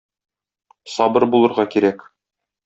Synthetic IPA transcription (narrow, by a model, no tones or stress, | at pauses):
sɒbɤɾbulˠɤ̆ɾʁɑkiɾæk